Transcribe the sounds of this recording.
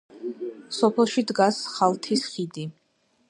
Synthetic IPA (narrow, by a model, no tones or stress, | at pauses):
sɔpʰɛlˠʃid̪ɡasχalˠt̪ʰisχid̪i